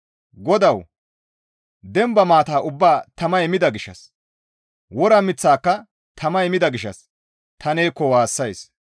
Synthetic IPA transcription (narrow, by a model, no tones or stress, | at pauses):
ɡɔd̪ɐw | d̪ɛmbɐmaːt̪aːʔʊbːaːt̪ɐmɐjmɪd̪ɐɡɪʃːɐ̰s | wɔɾɐmɪt͡sːaːkːɐ | t̪ʰɐmɐjmɪd̪ɐɡɪʃɐ̰s | t̪ʰɐneːkːɔwaːsːɐjs